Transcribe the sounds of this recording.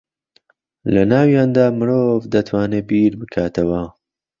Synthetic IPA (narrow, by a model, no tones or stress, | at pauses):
lɐnaːwjaːnd̪aːmɨɾovd̪ɐt̪ʰwaːneːbiːɾbɨkʰaːt̪ʰɐwɐ